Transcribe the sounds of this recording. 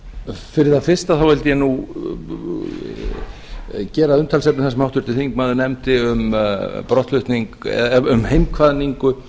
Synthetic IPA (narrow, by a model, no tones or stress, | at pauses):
fɪɾɪɾ̥θaðfɪr̥st̪aθawvɛlt̪ɪjɛnu | cɛːɾaðʏnt̪ʰalsɛp̚nmθas̬ɛmawht̪ʏɾ̥t̪ɪθiŋkmaːðʏnɛmt̪ɪʏmpɾɔht̪lʏht̪niŋkɛ̰ðʏmhejmkʰvaðniŋkʏ